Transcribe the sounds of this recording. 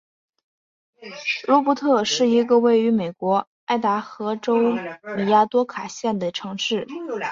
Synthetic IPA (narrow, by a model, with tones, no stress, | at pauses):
lwɔ˧˥pu˧˥t̪ʰɤ˥˧ʂɻ̩˥˩i˧˥ɡə˧we˥˩ɪy˧˥me˨˩ɪkwɔ˧˥ | a˥˩ɪt̪a˧˥xɤ˧˥ʈ͡ʂo˥ʊme˨˩ja˥t̪wɔ˥kʰa˨˩ɕjɛ˥˩nd̪ə˩ʈ͡ʂʰɤ˧˥ŋʂɻ̩˥˩